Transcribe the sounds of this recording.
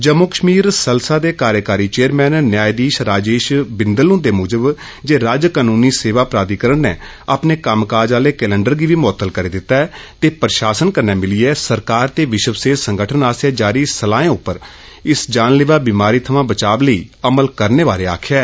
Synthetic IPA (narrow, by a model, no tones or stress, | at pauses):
d͡ʒəmoːkəʃmiːɾsəlsaːd̪eːkaːɾjəkaːɾiːt͡ʃeːəɾmɛːnːjaːjd̪iːʃɾaːd͡ʒeːʃbɪnd̪əlʊ̃ːd̪eːmʊːd͡ʒəb | d͡ʒeːɾaːd͡ʒkaːnuːniːseːʋaːpɾaːd̪iːkəɾəɳnḛː | apneːkəmkaːɾd͡ʒaːleːkɛːlɛ̃ːɳɖəɾɡiːʋiːmɔːt̪ːəlkəɾeːd̪ɪt̪ːaːɛːt̪eːpɾʃaːsənkənːɛːmɪliɛːsəɾkaːɾt̪eːʋɪʃəʋseːsəŋɡəʈʰənaːsjaːd͡ʒaːɾiːsəlaːẽːʊpːəɾ | ɪsd͡ʒaːnleːʋaːbiːmaːɾiːt̪ʰəʋãːbət͡ʃaːbləiːəməlkəɾneːʋaːɾeːa̰ːkʰɛː